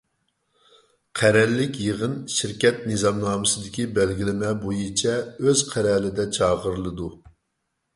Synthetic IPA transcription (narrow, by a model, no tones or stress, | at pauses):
qʰæɾɛlːɪkʲjeʁənʃiɾkʲɛt̪̚nɨzɑmnɑːmɨsɨd̪ɪkʲibɛlɡʲilɪmɛbojit͡ʃʰɛøz̥qʰæɾɛlɪd̪ɛt͡ʃʰɑːʁəɾlˠɨd̪u